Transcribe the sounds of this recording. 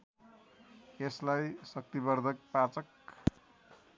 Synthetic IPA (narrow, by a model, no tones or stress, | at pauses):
eslajsʌk̚t̪ibʌrd̪ʱʌk̚pat͡sʌk